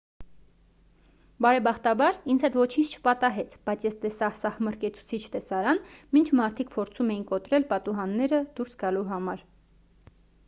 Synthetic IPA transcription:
bɑɾɛbɑχt̪ɑbɑɾind͡zʰhɛt̪vɔt͡ʃʰint͡ʃʰt͡ʃʰə̥pɑt̪ɑɦɛt͡sʰb̥ɑjt͡sʰjɛst̪ɛsɑhsɑhməɾkɛt͡sʰu̥t͡sʰit͡ʃʰt̪ɛsɑɾɑnmint͡ʃʰmɑɾt̪ʰik̚pʰɔɾt͡sʰumɛjinkɔt̪ɾɛlpɑt̪uɦɑnːɛɾəd̪̥uɾsɡɑluɦɑmɑɾ

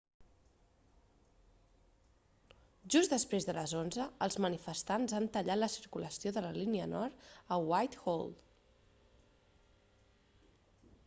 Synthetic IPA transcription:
ʒuzd̪əspɾezðələzonzəəlˠzmənifəst̪anzant̪əʎat̪ləsiɾkuləsioðələliniənɔɾt̪əwajt̪xolˠ

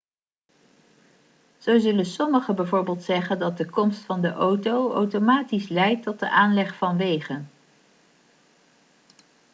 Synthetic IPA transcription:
z̥owzɵlənsɔməχəbɛjvoːɹbeːlˠtsɛχəndɑt̚dəkɔmstfɑndəʔowtowowtomaːtislɛjtːɔt̚dəʔaːnlɛχfɑnʋejχən

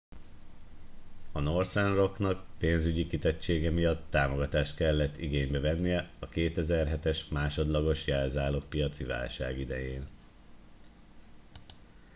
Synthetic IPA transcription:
ɒnorsɛnro̞knɒkpeːnzyɟikit̪ɛt͡ʃːeːɡɛmijɒt̪ːaːmo̞ɡɒt̪aːʃt̪kɛlːɛt̪ːiɡeːɲbɛvɛnːijɛɒkeːt̪ɛzɛrɦɛt̪ɛʃmaːʃo̞d̪lɒɡo̞ʃjɛlzaːloːk̚pijɒt̪siva̰ːlʃa̰ːɡid̪ɛjeːn

